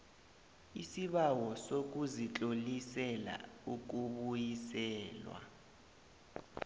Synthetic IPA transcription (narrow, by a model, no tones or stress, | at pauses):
isiɓawɔsok̬uzit͡ɬʼolisɛla̰uk̬uɓujisɛːlwa̰